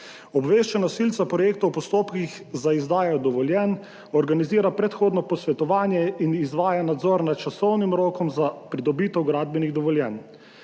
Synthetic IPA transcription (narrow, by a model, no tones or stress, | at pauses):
ɔbʋeːʃt͡ʃɛnasilt̪sapɾɔjeːkt̪owpɔst̪oːpkix | zaizd̪aːjɔd̪ɔʋɔljɛn | ɔɾɡaniziːɾapɾɛt̪xoːd̪nɔpɔsʋɛt̪ɔʋaːnjɛinizʋaːjanad̪zɔːɾnat̪̚t͡ʃasɔwnimɾoːkɔmzapɾid̪ɔbiːt̪ɛwɡɾaːd̪̚bɛniɣd̪ɔʋɔljɛn